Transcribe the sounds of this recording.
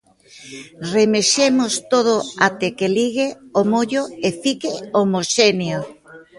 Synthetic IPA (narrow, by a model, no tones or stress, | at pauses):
remeʃemost̪oð̞oat̪ekeliɣ̞eomoʎoefikɪomoʃenjo